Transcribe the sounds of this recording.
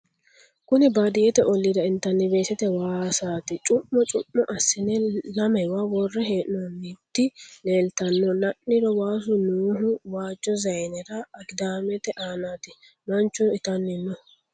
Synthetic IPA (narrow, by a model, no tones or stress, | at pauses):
kʊnɪbad̪ɪjɛt̪ɛʔɔlːɪd̪ɐɪnt̪ːɐnːɪbe̞ːsɛt̪ɛwaːsaːt̪ɪt͡ʃʼʊmːɔt͡ʃʼʊmːɔʔɐsːɪnɛlɐmɐjwawɔrːɛɦeːʔnɔnːit̪ːɪleːlt̪ɐnːɔnɐʔɪɾɔwaːs̬ʊnuːɦʊwaːd͡ʒːɔzɐjnɛɾɐɐɡɪd̪aːmɛt̪ɛʔaːnaːt̪ɪ | mɐnt͡ʃːʊɪt̪ɐnːɪnːɔ